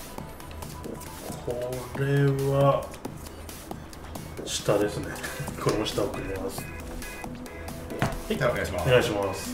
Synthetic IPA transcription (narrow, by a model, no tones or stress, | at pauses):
kʰoɾeβa | ɕi̥t̪ad̪e̞sɨne̞kʰoɾoɕi̥t̪aokɯ̟ɾʲimasɨ̥ | oneɡaiɕimasɨ̥